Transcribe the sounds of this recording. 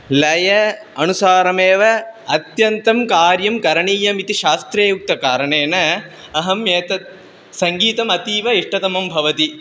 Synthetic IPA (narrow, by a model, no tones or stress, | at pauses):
lɐjɐ | ɐnusaːɾɐmeːʋɐɐt̪jɐnt̪ɐmkaːɾjɐmkɐɾɐɳiːjɐmit̪iʃaːst̪ɾeːjuk̚t̪ɐkaːɾɐɳeːnɐ | ɐɦɐmjeːt̪ɐ | sɐŋɡiːt̪ɐmɐt̪iːʋɐiʂʈɐt̪ɐmɐmbʱɐʋɐt̪i